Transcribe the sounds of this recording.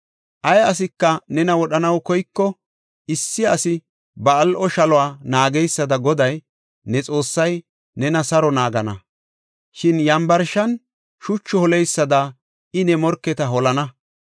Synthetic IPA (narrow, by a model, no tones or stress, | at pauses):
ʔɐjɐs̬ɪkːɐnɛnɐwɔɗɐnɐwkɔjkːɔ | ɪsːɪɐsɪ | bɐːlʔɔʃɐlɔwaːnaːɡɛjsːɐd̪ɐɡɔd̪ɐj | nɛt͡sʼo̞ːsːɐj | nɛnɐsɐɾɔnaːɡɐnɐ̰ | ʃɪnjɐmbɐɾʃɐn | ʃʊt͡ʃːɔhɔlɛjsːɐd̪ɐ | ɪnɛmɔɾkːɛt̪ɐɦɔlɐnɐ